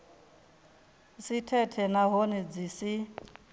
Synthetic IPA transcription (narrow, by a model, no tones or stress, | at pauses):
sitʰɛtʰɛnaɦonɛd͡zisi